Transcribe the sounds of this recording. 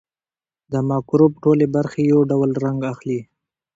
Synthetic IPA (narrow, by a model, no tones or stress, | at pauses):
d̪əmɑkɾobʈolebaɾxejowɖawlɾaŋɡaxli